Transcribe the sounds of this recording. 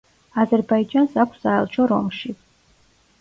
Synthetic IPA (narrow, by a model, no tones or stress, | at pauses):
azɛɾbaid͡ʒansakʷʰsaɛ̰lˠt͡ʃʰɔɾɔ̰mʃi